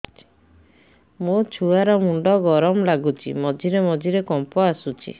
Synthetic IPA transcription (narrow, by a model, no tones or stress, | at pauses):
mot͡ʃʰuaɾɔmuɳɖɔɡɔɾɔmlaɡut͡ʃʰḭmɔd͡ʒiɾemɔd͡ʒiɾekɔmpɔasut͡ʃʰḭ